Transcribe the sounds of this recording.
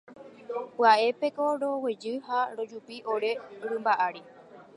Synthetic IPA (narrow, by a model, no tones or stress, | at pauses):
pɨaʔe̞pe̞ko̞ɾo̞we̞d͡ʒɨhaɾo̞d͡ʒupiʔo̞ɾe̞uɾɨmbaʔaɾi